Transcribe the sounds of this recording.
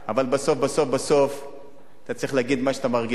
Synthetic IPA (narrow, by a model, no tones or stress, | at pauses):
avalbaso̞fbaso̞fbaso̞f | at̪at͡sʁiχleaɡid̪maʃeat̪amaʁɡi